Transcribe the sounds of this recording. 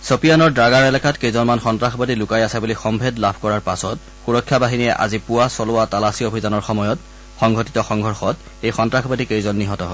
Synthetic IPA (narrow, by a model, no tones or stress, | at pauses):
sopijanɔɹdɹaɡaɹɛlakatkejzɔnmanxɔntɹaxʰɔbadilʊkajasabulixɔmbʱedlabʱkɔɹaɹpasɔt | xuɹɔkʰːjabaɦinijɛʔa̰zipʊwasɔlʊwatalasiobʱizanɔɹxɔmɔjɔt | xɔŋɡʱɔtitɔxɔŋɡʱɔɹxɔt | ejxɔntɹaxbadikejzɔnːiɦɔtɔɦɔ